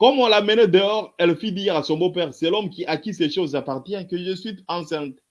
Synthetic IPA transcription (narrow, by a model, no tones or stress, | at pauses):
kɔmɔ̃lamɛned̪eɔʁɛlfid̪iʁasɔ̃bopɛʁsɛlɔmkʲiʔakʲisɛʃozapaʁt̪jɛ̃kəʒəsɥiɑ̃sɛ̃t̪